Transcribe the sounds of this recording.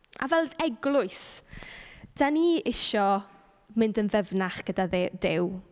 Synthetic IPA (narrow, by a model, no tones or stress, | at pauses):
a̰vɛlˠɛɡlˠʊɨs | d̥aniɪʃɔ | mɪndənvɛvnaχɡ̥ədadɪw